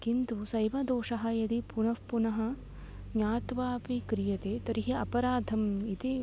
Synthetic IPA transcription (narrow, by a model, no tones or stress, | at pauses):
kint̪usɐjʋɐd̪oːʂɐɦɐ̆jɐd̪ipunɐʋpunɐɦɐ̆ | aːt̪ʋaːpikɾijɐt̪eːt̪ɐɾiɦeɐpɐɾaːd̪ʱɐmit̪i